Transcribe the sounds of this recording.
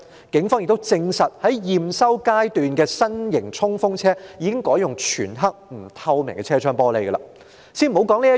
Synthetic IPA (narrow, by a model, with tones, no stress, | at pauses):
kɪ˨˥ŋfɔː˥ŋjɪ˨k̚t̪wt͡sɪ˧ŋsɐ˨t̚hɐ˨˥jjiː˨˩msɐ˥wkaː˥jt̪yː˨nkɛː˧sɐ˥njɪ̰˨˩ŋt͡sʰʊ˥ŋfʊ˥ŋt͡sʰɛː˥jiː˨˧kɪ˥ŋkɔː˨˥jʊ˨˩ŋt͡ʃʰy̰ː˨˩nɦɐ˥k̚m̩˨˩t̪ʰɐ˧wmɪ˨˩ŋkɛ˧t͡sʰɛː˥t͡ʃʰœː˥ŋpɔː˥le˨˧jɡɐ˧lɐ̰ː˧ | siː˥nm̩˨˩˨o˨˥wkɔː˨˥ŋliː˥jɐ˥